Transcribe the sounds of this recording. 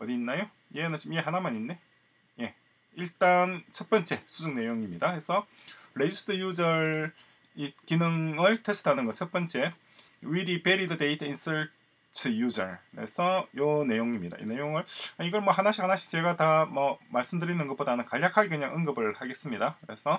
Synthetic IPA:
ʌɲinːajo | jenaɕʰimje̞ɦanamaɲinːe̞ | je̞ | iɭt͈ant͡ɕʰʌt̚p͈ʌnt͡ɕ͈e̞sʰud͡ʑuŋne̞joŋimɲidakesʰʌɾed͡ʑisʰtʰʌjud͡ʑʌɭ | ikinɯŋɯɭtʰesʰɯ̥tʰanɯnɡʌt͡ɕʰʌt̚p͈ʌnt͡ɕ͈e̞ | widipe̞ɾidɯde̞itʰinsʌɭ | tʰɯjud͡ʑʌ̰ɭɯɾḛsʰʌjone̞joŋimɲida̰ʔḭne̞joŋɯɭaiɡʌɭmʌhanaɕʰihanaɕʰi̥t͡ɕe̞ɡatamʌmaɭs͈ɯmdɯɾinɯnɡʌp͈odanɯnkaʎːakʰaɡikɯɲaŋɯŋɡɯbɯɭhaɡe̞s͈ɯmɲidakɯɾe̞sʰʌ

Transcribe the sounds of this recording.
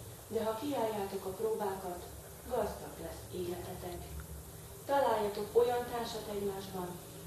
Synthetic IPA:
d̪ɛɦɒkiaːjːaːt̪o̞kɒproːbaːkɒt̪ | ɡɒzd̪ɒɡlɛsːeːlɛt̪ɛt̪ɛk | t̪ɒlaːjːɒt̪o̞ko̞jɒnt̪aːrʃɒt̪ɛɟmaːʒbɒn

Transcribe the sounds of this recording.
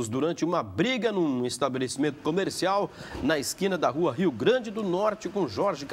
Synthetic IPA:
zd̪uɾɐ̃nt͡ʃɪũmɐbɾiɡɐnũest̪abelesimẽnt̪ʊ̥komeɾsiawnɐɪskĩnɐd̪ɐɦuɐɦiwɡɾɐ̃d͡ʒɪd̪ʊnɔɾt͡ʃɪkõʒɔɾʒɪk

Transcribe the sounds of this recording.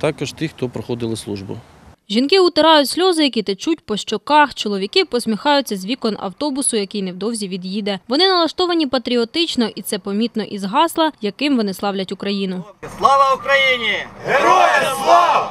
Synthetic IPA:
t̪ɑkɐʒt̪ixt̪ɔpɾɔxɔd̪ɪlˠɪslˠuʒbʊ̰ | ʒʲinkɪʊt̪eɾɑjʊtʲsʲlʲɔzɪjɐkit̪et͡ʃutʲpɔʃt͡ʃɔkɑxt͡ʃɔlˠɔʋʲikɪpɔsʲmʲixɑjʊt͡sʲːɐzʲʋʲikɔnɐ̰wt̪ɔbʊsʊjɐkɪjnɛwd̪ɔwzʲiʋʲid̪jid̪ɛʋɔnɪnɐlˠɐʃt̪ɔʋɐnʲipɐt̪ɾʲiɔt̪ɪt͡ʃnɔʔit̪sɛpɐmʲit̪nɔʔizɦɑslˠɐjɐkɪmʋɔnɪslˠɑwlʲɐtʲʊkɾɐjinʊslˠɔʋɐʊkɾɐjinʲi

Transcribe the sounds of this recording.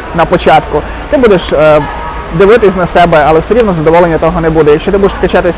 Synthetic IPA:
nɐpɔt͡ʃɑt̪kʊ | t̪ɪbud̪eʃ | d̪ɪʋɪt̪ɪsʲnɐsɛbɛɐlˠɛwsɛɾʲiwnɔzɐd̪ɔʋɔlˠenʲːɐt̪ɔɦɔnɛbud̪ɛjɐkʃt͡ʃɔt̪ɪbud̪eʃt̪ɐkɛt͡ʃɑt̪ɪsʲ

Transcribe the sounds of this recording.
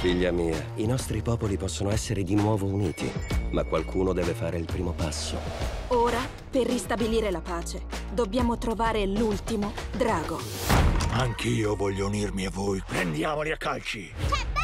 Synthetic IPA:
fiʎːamiːainɔst̪ɾipɔːpolipɔsːonoɛsːeɾed̪inwɔːvouniːt̪ʰḭmakːwalkʰuːnod̪ɛːvefaːɾeilpɾiːmopasːo̰oːɾa | perːist̪abiliːɾelapaːt͡ʃed̪obːjaːmot̪ɾovaːɾelult̪imod̪ɾaːɡo | aŋkʰiːovɔʎːounirmiavːojpɾend̪jaːmoliakːalt͡ʃi

